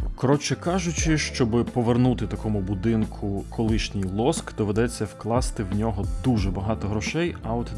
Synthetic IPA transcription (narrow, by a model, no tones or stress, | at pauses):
kɾɔt͡ʃɪkɑʒʊt͡ʃɪʃt͡ʃɔbɪpɔʋernut̪ɪt̪ɐkɔmʊbud̪ɪnkʰʊkʰɔlˠɪʃnʲijlˠɔskd̪̥ɔʋed̪ɛt͡sʲːɐwklˠɑst̪ɪwnʲɔɦɔd̪uʒɛbɐɦɑt̪ɔɦɾɔʃɛjɐɔt̪ʲ